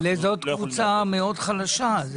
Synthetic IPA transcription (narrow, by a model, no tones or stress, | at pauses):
lezot̪kvut͡sameo̞d̪χalaʃa